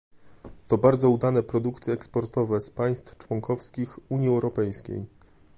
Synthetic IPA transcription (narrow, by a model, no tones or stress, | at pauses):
t̪ɔbaɾd̪zɔud̪anɛpɾɔd̪ukt̪ʰɘɛkspɔɾt̪ɔvɛspaj̃st̪ft͡ʂwɔŋkɔfskʲixuɲjiɛwɾɔpɛjskʲḛj